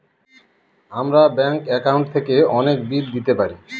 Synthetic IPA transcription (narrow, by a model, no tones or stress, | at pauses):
amɾabɛŋkɛkawnɳʈ̚t̪ʰekeɔnekbid̪d̪it̪epaɾi